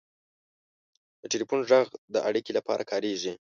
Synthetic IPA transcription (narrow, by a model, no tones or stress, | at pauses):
d̪̥əʈelipunʐaɣd̪əʔaɽikelapɑ̰ɾʔa̰kʰɑɾeʒi